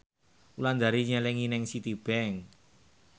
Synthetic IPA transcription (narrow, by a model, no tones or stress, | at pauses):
uland̪aɾiɲɛlɛŋinɪŋsit̪ib̥ɛŋ